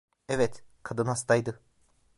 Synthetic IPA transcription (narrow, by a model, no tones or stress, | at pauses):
ɛvɛt̪kʰad̪ɯnhast̪ʰajd̪ɯ